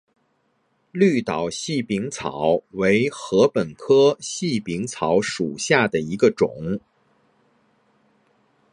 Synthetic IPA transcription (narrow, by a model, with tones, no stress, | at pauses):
ly˥˩t̪ɑ˨˩ʊɕi˥˩pi˧˥ŋt͡sʰɑ̰˨˩˦ʊwe˧˥ɪxɤ˧˥pə˨˩nkʰɤ˥ɕi˥˩pi˧˥ŋt͡sʰɑ˧˥ʊʂu˨˩ɕja˥˩d̪ə˩i˧˥ɡə˧ʈ͡ʂʊ̰˨˩˦ŋ